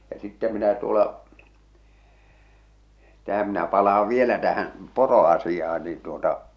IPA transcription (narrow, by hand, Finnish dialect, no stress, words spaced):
jɑ sitːæ minæ tuolɑ tæhæm minæ pɑlɑːʋ ʋielæ tæhæn̞ poroɑsijɑh̞ɑ̥n̥ niːn tuotɑ